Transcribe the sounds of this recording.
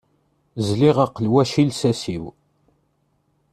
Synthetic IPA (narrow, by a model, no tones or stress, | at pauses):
zliʁaqːəlwæʃilsæsiw